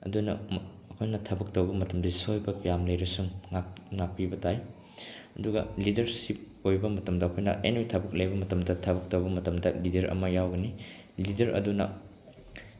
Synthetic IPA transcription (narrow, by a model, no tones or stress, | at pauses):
ɐ̰dunɐ̰ː | kʰojnɐtʰɐbɐk̚towbɐmɐtɐmdisojbɐkjamlɐjɾɐsuŋŋaŋak̚pibɐtaj | ɐduɡɐ̰lidɐɾsip̚ | ojbɐmɐtɐmdɐːkʰojnɐ̰ʔḛnwitʰɐbɐk̚lɐjbɐmɐtɐmdɐtʰɐbɐk̚towbɐmɐtɐmdɐlidɐɾʔɐ̰mɐjawɡɐni | lidɐɾʔɐ̰dunɐ̰